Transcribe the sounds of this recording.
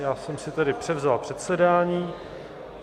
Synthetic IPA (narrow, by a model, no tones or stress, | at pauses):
jaːsɛmsɪt̪ɛdɪpr̥ɛvzalpr̥ɛt̪sɛdaːɲiː